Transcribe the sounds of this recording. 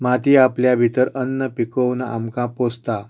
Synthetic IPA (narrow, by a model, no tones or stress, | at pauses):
mat̪iːapljabʱit̪əɾənːəpikəwnəa̰mkãpost̪a